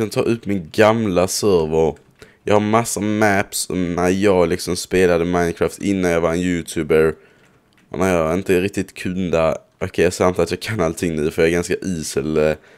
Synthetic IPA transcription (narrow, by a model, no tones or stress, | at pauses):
ant̪ʰɑ̰ːʔɵpːmɪnɡamlasœɾvəɾ | jɑːɡhaɾmasːamæpsnæɾjɑːɡlɪksɔmspeːlad̪əmaɪnkʰɾaːft̪ɪnːanjɑːvaɛnjʉːt̪ʰʉːbəɾ | ʔɔ̰næɾjɑɾɪnt̪əɾɪk̚t̪ɪt̪kʰɵnd̪a | ʔɔkʰɛjɑsant̪ʰːat̪jɑːɡkʰanːalt̪ʰɪŋːnʉ̟ːfœɾjɑɛɾɡanskaʔiːsəl